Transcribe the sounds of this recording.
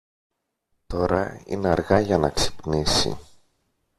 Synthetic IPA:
t̪o̞ɾɐḭneɐɾɣɐʝɐnɐksi̥pnisḭ

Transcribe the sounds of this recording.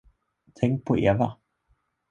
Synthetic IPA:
t̪ʰɛŋk̚pʰoʔḛʋa

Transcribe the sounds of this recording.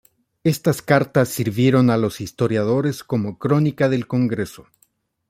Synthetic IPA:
e̞st̪askaɾt̪asːiɾβje̞ɾo̞nalo̞sist̪o̞ɾjað̞o̞ɾe̞sko̞mo̞kɾo̞nikaðe̞lko̞ŋɡɾe̞so

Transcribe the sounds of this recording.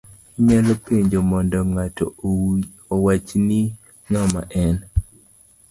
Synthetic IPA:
ɲalɔpeɲd͡ʒomɔndɔŋatɔ̰ | owat͡ʃni | ŋama̰ʔɛn

